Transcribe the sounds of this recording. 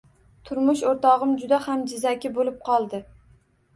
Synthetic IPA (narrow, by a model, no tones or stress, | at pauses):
t̪ʰʊɾmʊʃoɾt̪ɒʁɨmd͡ʒʊd̪ahamd͡ʒɪzakʲɪbolɪp̚qʰɒlˠd̪ɪ